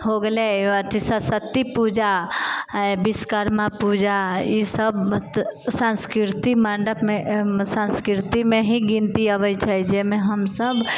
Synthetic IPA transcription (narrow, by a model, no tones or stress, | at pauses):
ɦoɡəleət̪ʰisəsət̪ːipuːd͡ʒa | bɪskəɾmapud͡ʒajisəb | sãnskɾɪɾt̪imaɳɖəpmẽsãnskɾɪɾt̪imẽɦiɡĩnt̪iaʋəit͡ʃʰaid͡ʒemẽɦəmsəb